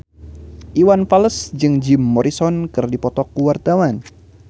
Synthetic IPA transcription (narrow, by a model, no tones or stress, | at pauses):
ʔiwanfaləsd͡ʒɨŋd͡ʒɪmːɔɾisɔnkɨrdipɔt̪ɔkuwart̪awan